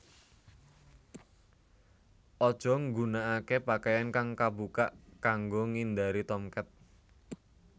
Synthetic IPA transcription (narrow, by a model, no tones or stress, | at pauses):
ʔɔd̥ʒ̥ɔ̤ŋɡunaʔakepakajankaŋkabukaʔkaŋɡoŋind̪aɾit̪ɔmkɛt̪̚